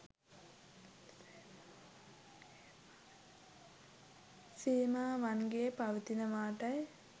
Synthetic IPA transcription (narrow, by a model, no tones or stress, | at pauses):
siːmaːʋɐnɡejepɐʋɐt̪inɐʋaːʈɐj